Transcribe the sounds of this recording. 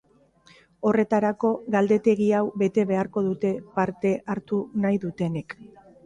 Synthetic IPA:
o̞re̞t̪aɾako̞ɣald̪e̞t̪e̞ɣiawbe̞t̪e̞β̞e̞aɾko̞ðut̪e̞paɾt̪e̞ʔaɾt̪unajðut̪e̞ne̞k

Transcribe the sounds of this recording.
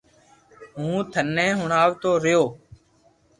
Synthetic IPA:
ɦũːt̪ʰənːẽːɦʊɳaːʋt̪oːɾɪjoː

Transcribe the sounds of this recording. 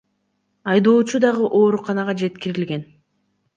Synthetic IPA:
ɑjd̪o̞ːt͡ʃud̪ɑʁɯʔo̞ːɾuqɑnɑʁɑd͡ʒe̞t̪kiɾilɡe̞n

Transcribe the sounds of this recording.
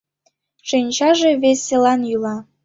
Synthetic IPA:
ʃenʲt͡ɕɑʒĕvesʲːelɑnjylɑ

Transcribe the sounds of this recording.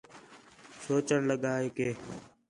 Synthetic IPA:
soːt͡ʃəɳləɠaːeːkeː

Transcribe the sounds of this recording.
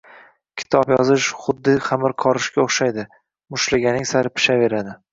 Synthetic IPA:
kʲʰɪ̥t̪ʰɒpjɒzɪʃχʊd̪ːɪχamɪɾqʰɒɾɪʃkʲaoχʃajd̪ɪ | mʊʃlaɡʲanɪŋsaɾɪpʰɪ̥ʃave̞ɾad̪ɪ

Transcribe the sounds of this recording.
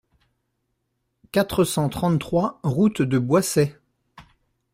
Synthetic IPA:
kat̪χəsɑ̃t̪χɑ̃t̪t̪χwaʁut̪d̪əbwasɛ

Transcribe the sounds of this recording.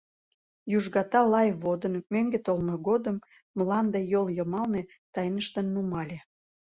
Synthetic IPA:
juʒɣɑt̪ɑlɑjβod̪ənmøŋɡet̪olmoɣod̪əmː | lɑnd̪ejoljəmɑlne | t̪ɑjnəʃt̪ənːumɑlʲe

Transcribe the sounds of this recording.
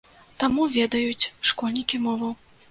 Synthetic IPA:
t̪amuvʲɛd̪ɐjut͡sʲʂkɔlʲnʲikʲimɔvɐw

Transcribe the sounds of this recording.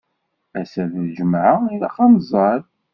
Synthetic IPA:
æsæððʒəmʕəiðæχɑmzˤɑɾ

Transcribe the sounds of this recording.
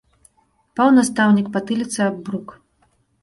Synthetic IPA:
pawnast̪awnʲikpat̪ɨlʲit̪sɨabbɾuk

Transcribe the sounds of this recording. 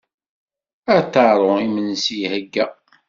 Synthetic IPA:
æt̪ːɑɾˤoimənsihəɡːæ

